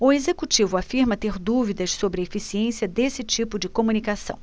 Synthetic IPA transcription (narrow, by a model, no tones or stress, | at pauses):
ʊezekut͡ʃivʊafiɾmɐt̪eɾd̪uvid̪ɐʃsobɾɪefisiẽsiɐd̪esɪt͡ʃipʊd͡ʒɪkomũnikasɐ̰̃w̃